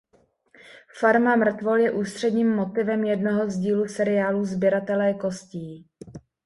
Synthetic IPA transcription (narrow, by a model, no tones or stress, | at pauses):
faɾmamr̩t̪vo̞ljɛʔuːst̪r̥ɛdɲiːmːo̞t̪ɪvɛmjɛdnoɦozɟiːlusɛɾɪaːluːzbjɛɾat̪ɛlɛːko̞sciː